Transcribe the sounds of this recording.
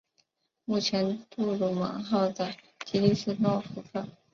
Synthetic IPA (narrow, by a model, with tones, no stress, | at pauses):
mu˥˩t͡ɕʰjɛ˧˥nt̪u˥˧ɻu˧˩mɑ̰˧˥ŋxɑ˥˩ʊda˥˩ɪ | t͡ɕi˥li˥˧ʂɻ̩˥˧t̪ɑ˥fu˧˥fɑ˥˩